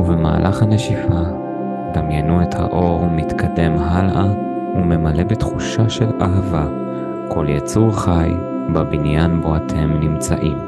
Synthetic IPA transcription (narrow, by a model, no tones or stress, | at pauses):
uvema̰ːlʔaχhaneʃifa | d̪amjenuetha̰ʔo̞ʁmitkʰade̞mɦala | ume̞male̞betχuʃaʃe̞la̰ɦava | kʰo̞ljat͡suʁχaj | babinjanboatʰe̞mnimt͡sa̰ʔim